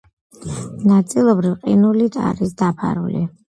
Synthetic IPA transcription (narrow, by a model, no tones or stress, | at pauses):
nat̪sʼilˠɔbɾivqʼinulit̪ʰa̰ɾisd̪apʰa̰ɾṵlḭ